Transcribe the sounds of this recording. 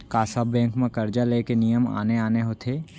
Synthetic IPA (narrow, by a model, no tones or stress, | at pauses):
kaːsɐbːɛ̃ːŋkmẽkɐɾd͡ʒaleːkenijəma̰ːneaːneɦot̪ʰeː